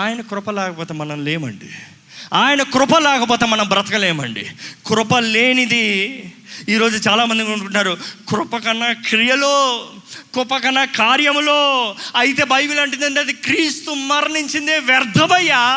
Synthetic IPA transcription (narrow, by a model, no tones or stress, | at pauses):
aːjɐnɐkɾʊpɐlɛːkɐpɔːt̪eːmɐnɐmle̞ːmɐ̰ɳɖḭ | aːjɐnɐkɾʊpɐlɛːkɐpɔːt̪eːmɐnɐmbɾɐt̪ɐkɐleːmɐ̰ɳɖḭkɾʊpɐleːnid̪i | iːɾo̞ːd͡ʒut͡ʃaːlaːmɐnd̪ikːuɳkuɳnaːɾukɾʊpɐkɐnːɐkɾijɐloːkʊpɐkɐnːɐkaːɾjɐmloːɐjit̪̬e̞ːbɐjbilɐɳʈund̪ɐɳʈeɐd̪ikɾiːst̪umɐɾniɲt͡ʃind̪eʋjɐɾd̪ʱɐmɐjːa